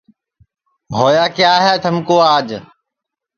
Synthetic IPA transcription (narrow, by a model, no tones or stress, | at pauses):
bʱoːjaːkjaːɦɛːt̪ʰəmkoːaːd͡ʒ